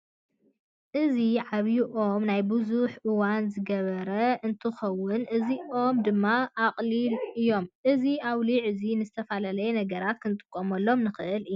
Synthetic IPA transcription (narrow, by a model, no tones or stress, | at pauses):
ʔɨziʕaβjiʔo̞mnajbɨzuħʔɨwanzɨɡɐβɐɾɐɨnt̪ʰɨxɐwːʊnʔɨziʔo̞md̪ɨmːaʔaqʼlilʔɨjːo̞mʔɨziawliʕɨzinɨzɨt̪ʰɐfalalɐjɛnɐɡɐɾat̪̚kʰɨnt̪ʼɨ̥kʼːomɐlːo̞mnɨxɨʔɨlɨjː